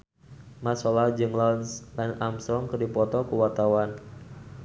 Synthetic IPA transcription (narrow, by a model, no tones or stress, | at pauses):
masɔlad͡ʒɨŋlanslanamsɔŋkɨrdipɔt̪ɔkuwat̪awan